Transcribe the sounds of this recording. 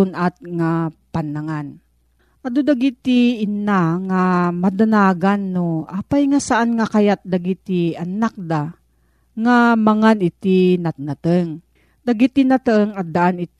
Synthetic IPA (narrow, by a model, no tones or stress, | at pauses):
ʊnat̪̚ŋapanːaŋan | ʔad̪od̪aɡit̪iːnaŋamad̪anaːɡanːoʔapajŋasaʔanŋakajat̪̚d̪aɡit̪ianak̚d̪a | ŋamaŋanɪt̪inat̪̚nat̪əŋ | d̪aɡit̪inat̪əŋad̪aʔanɪ